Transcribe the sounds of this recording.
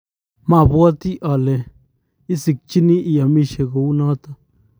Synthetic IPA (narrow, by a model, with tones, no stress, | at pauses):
ma˦˨bwa˦t̪i˦ʔa˨le˨ | i˦si˨k̚t͡ʃi˦ni˦ʔi˨ja˨mi˦˨ʃe˨ɡo˨u˦nɔ˦t̪a˦˨